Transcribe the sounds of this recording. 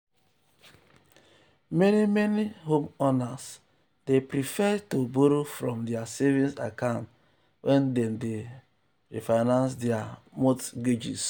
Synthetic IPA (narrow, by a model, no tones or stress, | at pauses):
menimeniɦomɔnas | depɾifɛtoboɾofɾɔ̃mdiasɛvĩnsa̰kãʊ̃nt | wʔɛndɛnde | ɾifaɪnãnsdɛamotɡed͡ʒḭs